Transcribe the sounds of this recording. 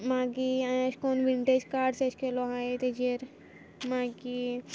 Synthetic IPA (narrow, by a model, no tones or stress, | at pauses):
mãːɡiãʃkoːnʋiɳʈed͡ʒkaːɖseʃkeloɦãet̪ed͡ʒeɾ | mãːɡi